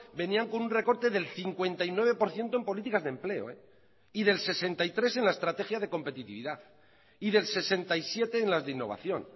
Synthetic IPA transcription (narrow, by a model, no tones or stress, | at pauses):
be̞niaŋko̞nunre̞ko̞ɾt̪e̞ðe̞lθiŋkwe̞nt̪ajnwe̞β̞e̞po̞ɾθje̞nt̪oempo̞lit̪ikazðe̞mple̞o̰e | iðe̞lse̞se̞nt̪ait̪ɾe̞s̬e̞nlaest̪ɾat̪e̞xjaðe̞ko̞mpe̞t̪it̪iβiðaθ | iðe̞lse̞se̞nt̪ajsjet̪e̞ːnlazðeinːo̞βa̰θjo̞̰n